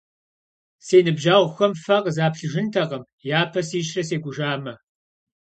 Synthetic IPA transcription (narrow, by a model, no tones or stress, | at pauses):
seːnɨbʒaːʁʷxɐmfɐqzaːpɬɨʒɪntʰɐʁɐm | jaːpʰɐsiːʃrɐseːɡʷʊʒaːmɐ